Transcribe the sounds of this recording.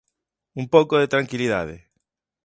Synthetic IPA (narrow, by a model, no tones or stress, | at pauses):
umpokoðet̪ɾaŋkiliða̰ðḛ